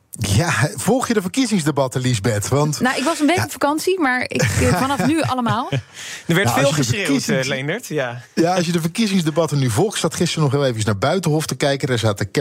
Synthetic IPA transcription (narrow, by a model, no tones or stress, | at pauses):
jav̥ɔlˠχjədəvəɹkizɪŋzdebɑtəlizbɛtʋɑntnawɪkʋɑsənbejəɔpfakɑnsimaːɹɪ̰kfɑnɑffnyɑ̰ləmaːlˠdəɹʋɛɹtfɪlˠχəseslendəɹtjajaɑlˠsjədəvəɹkizɪŋzdebɑtənyvɔlˠχtstatχɪstəɹnɔχɦɪːlˠejvəəsnaːɹbœɥtənɦɔftəkɛjkədəɹzaːtək